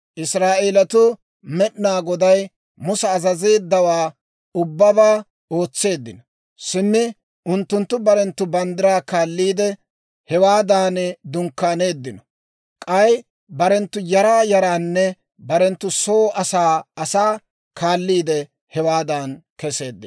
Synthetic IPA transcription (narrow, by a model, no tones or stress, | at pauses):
ʔɪsɾaːʔeːlɐt̪ʊ | mɛʔnaːɡɔd̪ɐj | mʊsɛːzɐze̞ːd̪ːɐwaː | ʊbːɐbaː | o̞ːt͡sːe̞ːd̪ːɪnɔ | sɪmːɪ | ʔʊnt̪ːʊnt̪ːʊbɐɾɛnt̪ːʊbɐnd̪ɪɾaːkaːlːiːd̪ɛ | hɛwaːd̪aːnd̪ʊŋkːaːne̞ːd̪ːɪnɔ | kʼɐj | bɐɾɛnt̪ːʊjɐɾaːjɐɾaːnːɛ | bɐɾɛnt̪ːʊso̞ːʔɐsaːɐsaː | kʰaːlːiːd̪ɛ | hɛwaːd̪aːnkɛse̞ːd̪ːɪ